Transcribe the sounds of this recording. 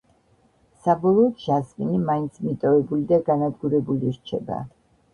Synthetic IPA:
sabɔlˠɔːt̪ʃasminimaint̪sʰmit̪ʼɔvɛbulid̪aɡanad̪ɡuɾɛbuliɾt͡ʃʰɛba̰

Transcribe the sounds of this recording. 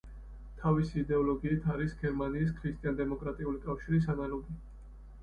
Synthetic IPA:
t̪ʰavisiːd̪ɛɔlɔɡiːt̪ʰaɾisɡɛɾmaniːs̬kʰɾist̪ʼijand̪ɛmɔkʼɾat̪ʼiulikʼafʃiɾisanalɔɡi

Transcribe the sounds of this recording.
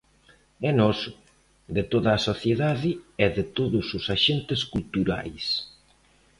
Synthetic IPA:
ɛnɔsʊ | d̪ɪt̪oðɐːsoθjeðaðɪɛðɪt̪oðʊsʊsaʃent̪ɪskult̪uɾa̰js

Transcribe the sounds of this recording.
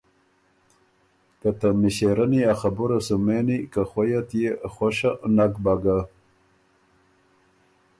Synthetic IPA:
kat̪amiɕeɾaniaxabuɾasumenikaxwojat̪jexwoɕanakbaɡa

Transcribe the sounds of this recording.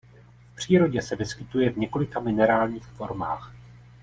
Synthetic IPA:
fpr̝̥iːɾo̞ɟɛsɛvɪskɪt̪ujɛvɲɛko̞lɪkamɪnɛɾaːlɲiːxfo̞̰ɾmaːx

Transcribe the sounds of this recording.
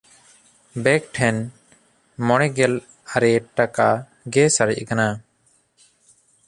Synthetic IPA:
bɛk̚ʈʰɛn | mɔɽ̃ɛɡɛl | aɾɛʈaka | ɡɛsaɾḭʔkana

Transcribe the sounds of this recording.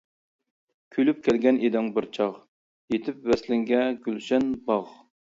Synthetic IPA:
kʲʰylyp̚kʲʰɛlɡʲɛnʔed̪ɪŋbɪɾt͡ʃʰɑχ | jet̪ʰɪpvɛslɪŋɡʲɛɡʲylʃɛnbɑʁ

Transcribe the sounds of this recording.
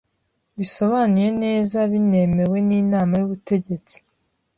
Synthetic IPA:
βiso̞βanije̞ne̞ːzaβine̞me̞we̞niːnaːmajuβute̞ɟe̞t͡si̥

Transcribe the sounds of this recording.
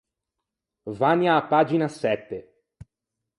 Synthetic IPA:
vanjaːpːaːd͡ʒinasɛt̪ːe

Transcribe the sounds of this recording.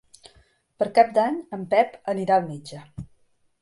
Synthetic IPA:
pəɾkap̚d̪aɲəmpɛpəniɾaəlˠmed͡ʒə

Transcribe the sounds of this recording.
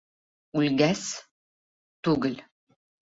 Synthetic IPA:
ulɡæs | t̪uɡɘl

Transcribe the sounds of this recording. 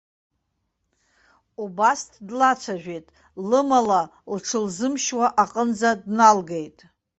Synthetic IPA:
ubastʰdlat͡ʃʷʰaʒᶣʷejtʼ | lɨmalalʈ͡ʂʰɨlzɨmʃwaʔaqʼənd͡zadnalɡejtʼ

